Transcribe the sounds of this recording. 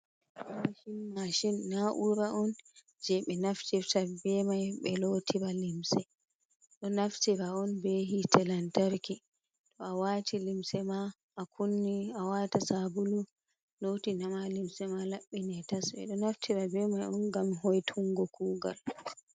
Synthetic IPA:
maʃinmaʃinːaʔuɾaʔɔn | d͡ʒɛɓɛnaftiɾtabɛmajɓɛlotʰiɾalimsɛ | ɗɔnaftiɾaɔnbeɦitʰɛlantaɾki | tɔawaːtʰilimsɛma | ʔːkʰunːiawatasabulu | lotinamalimsɛmalaɓːinɛtasɓɛ̰ɗɔnaftʰiɾabɛmajɔnɡamhɔjtʰuŋɡɔkuːɡa̰l

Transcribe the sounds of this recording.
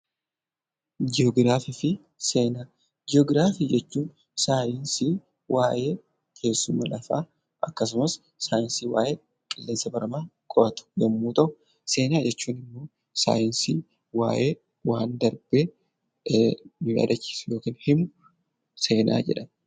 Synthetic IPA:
d͡ʒɪɔɡɾaːfɪfɪ | seːnaː | d͡ʒɪɔɡɪɾaːfɪd͡ʒɛt͡ʃːuːn | saːjɪnsiː | wʔaːʔe̞ː | kʰe̞ːsːʊmɐlɐfa̰ː | ʔɐkːɐs̬ʊmɐs | saːjɪnsiːwa̰ːʔeː | kʼɐlːeːnsɐbɐɾɐmaːkʼɔʔɐt̪ʊ̥ɡɐmːuːt̪ɐʔʊ | se̞ːnaːd͡ʒɛt͡ʃːuːnɪmːo̞ː | sa̰ːjɪnsiː | wa̰ːʔeː | waːnd̪ɐɾb̥eː | nɪɐ̰d̪ɐt͡ʃːi̥ːsjo̞ːkiːnhɪmʊ | se̞ːnʔa̰ːd͡ʒɛ̰ᶑɐn

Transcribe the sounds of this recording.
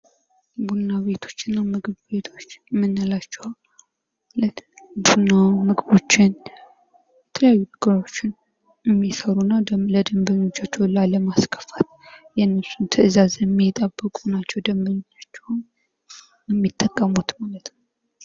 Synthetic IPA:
bunːaβe̞t̪ʰo̞̥t͡ʃːɪnːamɨɡɨβbe̞t̪ʰo̞t͡ʃːmːɨnːəlat͡ʃːɛwal | ləbunːawmɨɡbo̞t͡ʃːɪn | jɛt̪ʰələjajːunəɡəɾo̞t͡ʃːɪn | ɛmːisəɾunːad̪ələd̪əmbəɲːot͡ʃːat͡ʃːɛwlaləmaskʰə̥fat̪jɛnːɨsint̪ʰɨʔɨzazjɛmːit̪ʼəbːɨkʼunat͡ʃːɛwd̪əmbəɲot͡ʃːat͡ʃːɛwn | jɛmːit̪ʼːəkʼːəmut̪malət̪no

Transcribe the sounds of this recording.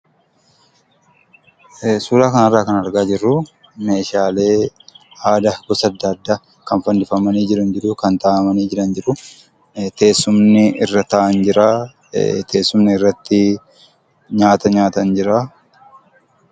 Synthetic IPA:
suːlaːkɐnɐrːaːkɐnɐɾɡaːd͡ʒɪrːʊ | me̞ːʃaːle̞ːaːd̪ɐɡ̥ɔsɐd̪ːɐːd̪ːaː | kɐnfɐnd̪ɪfɐmɐniːd͡ʒɪɾɐnd͡ʒɪd̪ʊkɐnt̪aːʔɐmɐniːd͡ʒɪɾɐnd͡ʒɪɾʊ | t̪e̞ːsːʊmnɪɪrːɐt̪ɐʔɐnd͡ʒɪɾaː | t̪ʰe̞ːsːʊmnɪɪrːɐt̪ːɪ | ɲaːt̪ɐɲaːt̪ɐnd͡ʒɪɾaː

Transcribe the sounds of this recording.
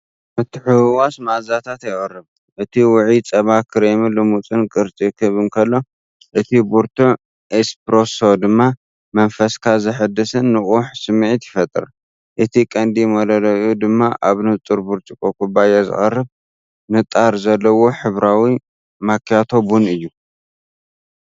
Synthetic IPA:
ʔɨt̪ħuwasmaʔzat̪ʰat̪jɪχʼɐrːɨβ | ʔɨt̪ʰiwʊʕit͡sʼɐβakʰɨɾemilɨmut͡sʼɨnkʼɨɾt͡sʼikʰɨβɨnkʰɐlːo̞ | ʔɨt̪ʰibuɾt̪ʰu | ʔespɾosod̪ɨmːa | mɐnfɐskʰazɐħɨd̪ɨsɨnːɨχʼuħsɨmʕit̪jɪfɐt̪ʼɨ̰ɾ | ʔɨt̪ʰikʼɐnd̪ijmɐlɐlɐud̪ɨmːaʔaβnɨt͡sʼuɾbuɾt͡ʃ̪ʼikʼokʼubajazɨ̰χʼɐrːɨβ | nɨt̪ʼːaɾzɐlːɐwo̞ħɨβɾawi | makjat̪ʰo̞bunɨjːu

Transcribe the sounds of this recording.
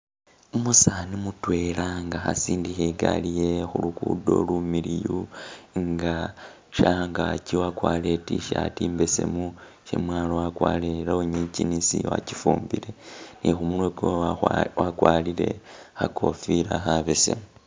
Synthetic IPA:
umusanimutwe̞laŋɡaxa̰siːndixeɡalije̞xulukudo̞̰lumiɾijuŋɡa | ʃaŋɡaciwakwaːle̞tiʃatiːmbese̞̰mu | ʃḛmwaːlowakwaleɾaoɲicinisḭwa̰ci̥fuːmbiɾe̞nixumulweɡowakwaːlile̞̰xakʰo̞fiɾaxaβese̞̰mu

